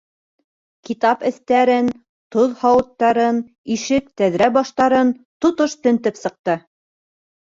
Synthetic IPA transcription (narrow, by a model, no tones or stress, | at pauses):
kit̪ɑpɘ̆θt̪æɾɘn | t̪oðhɑwɤ̆t̪ːɑɾɤn | iʃɘk̚t̪æðɾæbɑʃt̪ɑɾɤnt̪ŏt̪oʃt̪ɵ̆nt̪ɘpsɤ̆q̚t̪ɤ